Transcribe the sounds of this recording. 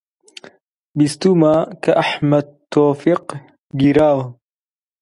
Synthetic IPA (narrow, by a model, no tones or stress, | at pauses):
bist̪umaːkɐʔɐħmɐd̪̚t̪ːoːfiq | ɡiɾaːw